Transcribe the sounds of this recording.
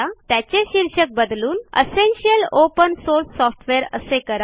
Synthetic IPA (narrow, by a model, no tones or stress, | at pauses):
at̪jat͡ɕeɕiɾɕək̚bəd̪luːnḛsenɕiəlopənsoɾsːɔfʈʰʋeɾə̰sekəɾ